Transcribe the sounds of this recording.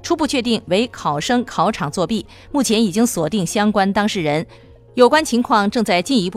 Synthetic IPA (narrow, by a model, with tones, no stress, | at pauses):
ʈ͡ʂʰu˥pu˥˧t͡ɕʰɥɛ˥˧t̪i˥˩ŋwe˧˥ɪkʰɑ˨˩ʊʂɤ˥ŋkʰɑ˧˥ʊʈ͡ʂʰɑ˨˩ŋt͡swɔ˥˧pi˥˩ | mu˥˩t͡ɕʰjɛ˧˥ni˨˩t͡ɕi˥ŋswɔ˨˩t̪i˥˩ŋɕjɑ˥ŋkwa˥nt̪ɑ˥ŋʂɻ̩˥˩ɻə˧˥n | jo˨˩ʊkwa˥nt͡ɕʰi˧˥ŋkʰwɑ˥˧ŋʈ͡ʂɤ˥˧ŋt͡sa˥˧ɪt͡ɕi˥˩˧ni˧˥pu˥˩